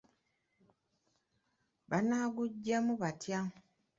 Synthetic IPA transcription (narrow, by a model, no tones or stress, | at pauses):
βanaːɡuɟːemuβatja